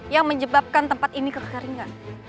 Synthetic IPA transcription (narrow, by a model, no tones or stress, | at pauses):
jaŋməɲd͡ʒəbap̚kant̪əmpat̪inikəkəkəɾiŋan